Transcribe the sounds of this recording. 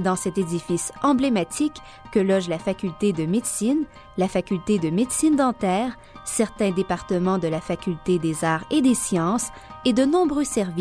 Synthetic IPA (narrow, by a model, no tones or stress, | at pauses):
d̪ɑ̃sɛt̪ed̪ifisɑ̃blemat̪ʰikː | əlɔʒlafakʲylt̪ed̪əmed̪sin | lafakʲylt̪ed̪əmed̪sind̪ɑ̃t̪ɛːʁ | sɛʁt̪ɛ̃d̪epaʁt̪əmɑ̃d̪əlafakʲylt̪ed̪ezaːʁed̪esjɑ̃s | ed̪ənɔ̃bʁøsɛʁvi